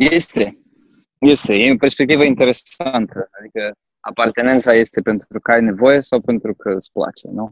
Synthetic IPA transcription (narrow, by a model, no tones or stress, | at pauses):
jest̪e̞ | je̞st̪e̞eperspekt̪ivəint̪e̞ɾe̞sant̪əad̪ikə | a̰part̪e̞ne̞nt̪saje̞st̪e̞pe̞nt̪ɾukəajne̞vo̞je̞sawpe̞nt̪ɾukʰəɨspla̰t͡ʃe̞̰nu